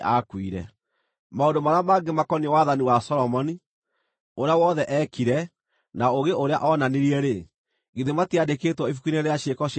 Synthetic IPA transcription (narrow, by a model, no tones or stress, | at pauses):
ʔa̰kwiɾɛ̰ | maondomaɾamaɡemakɔniwaðaniwasɔɾɔmɔni | oɾeawɔðɛʔɛkiɾɛ | naoɣeʔoɾea̰ʔɔnaneɾiɛɾe | ɣeðematiadekeːtwɔifukineɾeaɕekɔɕ